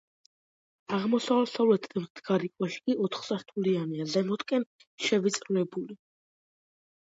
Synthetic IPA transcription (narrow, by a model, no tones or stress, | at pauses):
aʁmɔsavɛlsavlɛt̪ʰmd̪ɡaɾikʼwɛʃi̥kʼiʔɔt̪ʰχsaɾt̪ʰulianiazɛmɔt̪ʼkʼɛn | ʃɛvit̪sʼɾnɛbuli